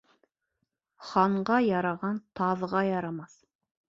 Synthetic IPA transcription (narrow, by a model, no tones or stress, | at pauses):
χɑɴɢɑjɑɾɑʁɑnt̪ʰɑðʁɑjɑɾɑmɑθ